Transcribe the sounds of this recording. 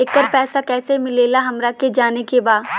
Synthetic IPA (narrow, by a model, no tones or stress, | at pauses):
ekːəɾpɛːsakɛːsemɪleːlaɦɐmɾaked͡ʒaːnekebaːd̪